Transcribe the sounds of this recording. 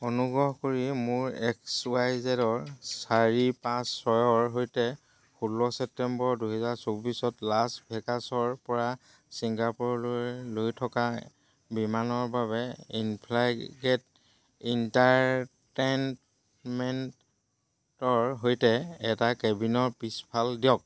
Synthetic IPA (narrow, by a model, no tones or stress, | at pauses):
onuɡɹɔɦɔkoɹimʊɹɛksuajzɛdɔɹsaɹipãsːɔjɔɹɦojtɛ | xulːɔsɛp̚tɛmbɔɹduɦɛzaɹsobisɔtlasbʱɛkasɔɹpɔɹa | siŋɡapɔɹlojlojtʰɔka | bimanɔɹbaβɛinpʰlaɡɛt | intaɹten | mɛnt | tɔɹɦojtɛɛtakɛbinɔɹpispʰaldijɔk̚